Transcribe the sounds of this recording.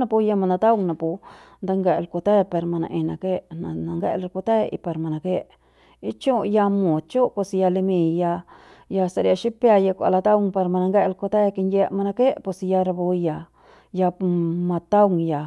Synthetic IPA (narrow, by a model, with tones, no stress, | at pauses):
na˧pu˧ja˧ma˧na˧t̪a˦wŋnã˧pu˧nd̪a˧ŋɡe˧ʔlko˧t̪e˦pe˧ɾma˧nã̰˧ʔẽ˧na˧ke˦na˧na˧ŋɡḛ˦ʔla˧lku˧t̪e˦ḭ˧pa˧ɾma˧nã˧ke˦ʔ | i˧˦t͡ʃu˦ja˧mũ˨t͡ʃu˦po˧si˧ja˧le˧mĩ˧ja˧ | ja˧sa˧ɾa˧ʃi˦pja˧ja˧kʷa̰˧la˧t̪a˦wŋpa˧ɾma˧nã˧ŋɡe˦ʔlko˧t̪e˦˧ki˧nje˧ma˧na˧ke˦ʔpo˧si˧ja˧ɾa˧bu˧ja˧ | ja˧pmã˧t̪a˦wŋja˧